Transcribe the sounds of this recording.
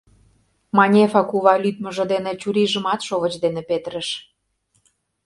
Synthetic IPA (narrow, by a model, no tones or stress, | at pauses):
mɑnʲefɑkuβɑlyt̪̚mə̆ʒɤ̆d̪enĕt͡ɕuɾiʒə̆mɑt̪ʃoβət͡ɕd̪enĕpet̪əɾə̆ʃ